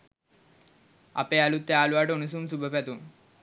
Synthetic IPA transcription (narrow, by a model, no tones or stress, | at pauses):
a̰peːalut̪ːeaːluʋaːʈəunus̬uːmsubəpæt̪um